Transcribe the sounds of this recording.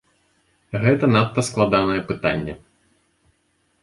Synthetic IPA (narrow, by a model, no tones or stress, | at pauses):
ɣɛt̪ɐnat̪ːɐsklˠad̪anɐjɛpɨt̪anʲːɛ